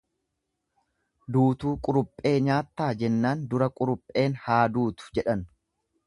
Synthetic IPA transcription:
d̪uːt̪uːkʼʊɾʊpʼːe̞ːɲaːt̪ːaːd͡ʒɛnːaːnd̪ʊɾɐkʼʊɾʊpʼːe̞ːnhaːd̪uːt̪ʊ̥d͡ʒɛᶑɐn

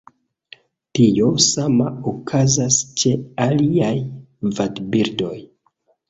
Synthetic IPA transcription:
tijo̞samaokʰazast͡ʃe̞aliaj | vadbiɾdo̞j

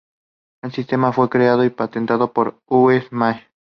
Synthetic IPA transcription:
elsist̪emafwe̞kɾeaðoipat̪ent̪aðopoɾ | uefmaj

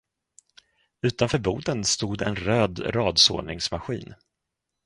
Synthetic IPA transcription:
ʉ̟ːt̪anfœːɾbuːd̪ənst̪uːd̪ɛ̰nɾøːd̪ɾɑːd̪so̰ːɳɪŋsmaɧḭːn

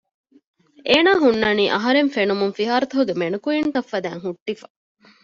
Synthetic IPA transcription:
ʔeːnaːɦunːɐniːʔɐɦɐɾeɱfenumuŋfiɦaːɾɐt̪oɦuɡemenukuint̪ɐfːɐd̪æːŋɦuʈːifɐ

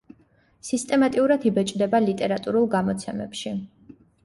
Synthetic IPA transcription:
sist̪ʼɛmat̪ʼiuɾad̪ibɛt͡ʃʼd̪ɛbalit̪ʼɛɾat̪ʼuɾulˠɡamɔt̪sʰɛmɛ̰pʃi

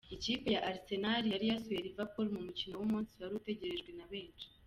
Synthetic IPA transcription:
iciːpe̞jaʔaɾise̞naɾijaɾijasuweɾivapoɾimumucino̞wumuːnsiβaɾute̞ɟe̞ɾe̞ʒɡwe̞naβe̞ːnʃi̥

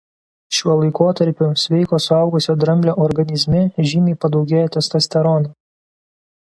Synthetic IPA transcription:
ʃʲuɔlˠɐɪkoːt̪ɐɾʲpʲʊsʲʋʲɛɪkoːsʊɐˑʊɡʊsʲoːd̪ɾɐmʲlʲoːʔɔɾɡɐnʲɪzʲmʲɪʒʲiːmʲɛɪpɐd̪ɒʊɡʲeːjɛːt̪ʲɛst̪ɐsʲt̪ʲɛɾɔnɐ

